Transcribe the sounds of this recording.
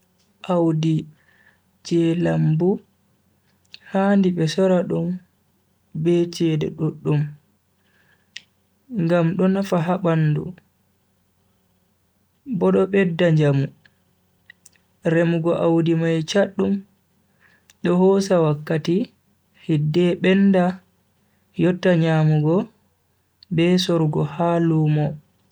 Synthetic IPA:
ʔawdi | t͡ʃɛlambu | haːndiɓɛsɔɾaɗɔm | bɛt͡ʃɛdɛ̰ɗoɗːum | ŋɡamɗɔnafaɦaɓandṵ | bɔɗɔɓɛdːaɲd͡ʒamu | ɾɛmuɡɔʔawdimajt͡ʃaɗːum | ɗɔhɔsawakːati | hidːɛɓɛnda | jɔtːaɲaːmuɡɔ | bɛsɔɾɡɔhaluːmɔ

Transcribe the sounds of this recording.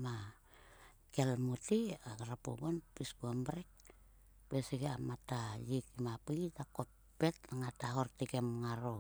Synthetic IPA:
ma | kelmut̪iɡaɾapṵbonpisɡuambɾek̚ | beseɡeamat̪ajikimapitakopː | et̪aŋat̪aɦort̪ikemŋaɾo

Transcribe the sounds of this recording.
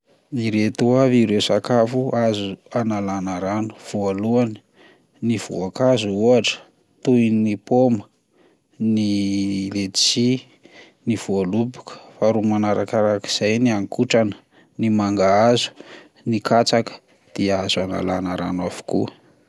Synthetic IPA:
iɾet̪uaviɾesakafuazuanalanaɾanu̥v̥oaluani̥ | niv̥ṵakazuuaʈ͡ʂə̥ | t̪uinnipomə | nilet͡si | niv̥uoalupu̥kə̥faɾumanaɾakaɾaki̥z̥ajniaŋkuʈ͡ʂanə̥ | nimaŋɡaazu̥ | nikat͡sakə̥ | d̪̥iazuana̰la̰naɾa̰nwavu̥ku

